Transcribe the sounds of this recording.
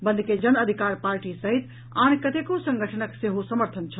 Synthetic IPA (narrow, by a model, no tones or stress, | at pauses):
bə̃nd̪ʱked͡ʒənəd̪ʱikaɾpaɾʈisəɦit̪ | ankət̪ekosə̃ŋɡʱəʈʰənəkseɦosəməɾt̪ʰənt͡ʃʰəl